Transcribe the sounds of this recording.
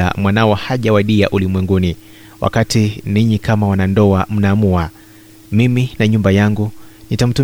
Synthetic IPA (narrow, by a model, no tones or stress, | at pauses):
a̰mwanawɔhaʄawaɗia̰ʔulimwɛŋɡuni | wʔa̰katiniɲikamawanandɔam̩naːmua | miminaɲumbajaŋɡunitam̩tu